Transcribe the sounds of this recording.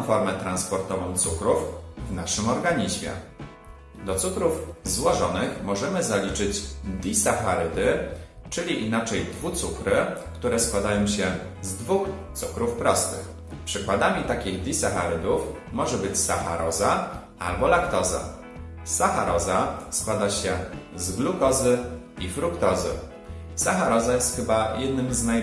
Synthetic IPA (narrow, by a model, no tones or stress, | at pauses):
fɔɾmɛt̪ɾanspɔɾt̪ɔvɔ̃w̃t̪sukɾufvnaʂɘmɔɾɡaɲiʑmʲjɛ̰ | d̪ɔt̪sukɾufzwɔʐɔnɘxmɔʐɛmɘzalʲit͡ʂɘd͡ʑd̪ʲisaxaɾɘd̪ɘ | t͡ʂɘlʲiʔinat͡ʂɛjd̪vut̪sukɾɘkt̪uɾɛskwad̪ajɔ̃w̃ɕɛ | zd̪vuxt̪sukɾufpɾɔst̪ɘ̰x | pʂɘkwad̪amʲit̪akʲiɣd̪ʲisaxaɾɘd̪uf | mɔʐɛbɘt͡ɕsaxa̰ɾɔza | a̰lbɔlakt̪ɔza̰ | saxaɾɔzaskwad̪aɕɛzɡlukɔzɘ | ifɾukt̪ɔzɘ̰ | saxaɾɔzajɛst̪xɘbajʔɛd̪nɘmznaj